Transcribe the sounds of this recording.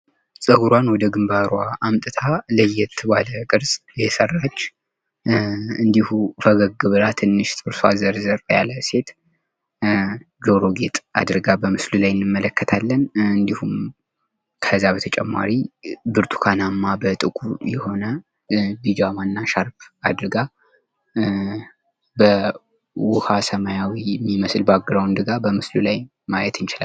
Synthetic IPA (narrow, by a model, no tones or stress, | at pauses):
sʼəɡuɾwanwɔd̪əɡɨmbaɾwaʔamt̪ʼɨt̪ʰaləjɛt̪ʰːɨbaləkʼɨɾsʼjɛsərːat͡ʃː | ɨnd̪ihufəɡəɡɨβɨlat̪ʰɨnːɨʃt̪ʼɨɾsazəɾzəɾfja̰ləse̞t̪ | d͡ʒoɾo̞ɡe̞t̪ʼa̰d̪ɨɾɡabəmɨslulajɪnːɨmːələkːət̪ʰalːənɨnd̪ihum | kʰəzabət̪ʰət͡ʃʼɛ̰mːa̰ɾibɨɾt̪ʰʼu̥kʰanamːabət̪ʼɨkʼujɛho̞nə | d̪ɨd͡ʒamanːaʃaɾbad̪ɾɨɡa | bə | wʊhasəmajawiɛmːiməslbaɡːɨɾəwɨnd̪ɨɡabəmɨslulaj | majɛt̪ʰɨnt͡ʃɪlal